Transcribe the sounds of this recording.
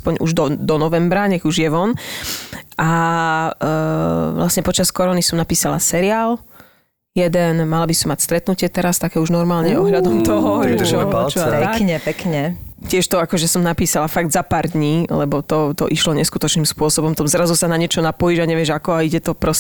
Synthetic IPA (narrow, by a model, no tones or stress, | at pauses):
aspɔɲṵʒd̪ɔd̪ɔnɔʋɛmbɾaɲɛɣuʒjɛʋɔn | ʔa | ʋlʔasɲɛpɔt͡ʃaskɔɾɔnisɔmnapiːsala̰sɛɾiaːl | jɛd̪ɛnmalabisɔmːacst̪ɾɛt̪nucɪɛt̪ɛɾast̪akɛːuʒnɔɾmaːlɲɛɔɦʎad̪ɔmt̪ɔɦɔt͡ʃɛkɲɛpɛkɲɛcɪɛʃt̪ɔakɔʒɛsɔmnapiːsalafaɡd̪zapaːɾd̪ɲiːlɛbɔt̪ɔt̪ɔ̰ʔiʃlɔɲɛskut̪ɔt͡ʃniːmspʊɔsɔbɔmt̪ɔmzɾazusanaɲɪɛt͡ʃɔnapɔjiʒaɲɛʋɪɛʒakɔaiɟɛt̪ɔpɾɔs